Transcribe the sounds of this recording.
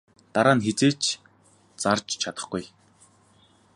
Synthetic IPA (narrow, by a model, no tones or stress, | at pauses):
t̪aɾaːnxet͡seːt͡ɕ | t͡sart͡ɕt͡ɕʰat̪ə̥̆χɡuj